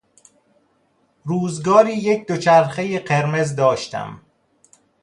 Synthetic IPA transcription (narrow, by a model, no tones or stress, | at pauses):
ɾuːzɡɒːɾiːjecʰd̪ot͡ʃʰæɾxejeɢeɾme̞zd̪ɒːʃt̪ʰæ̰m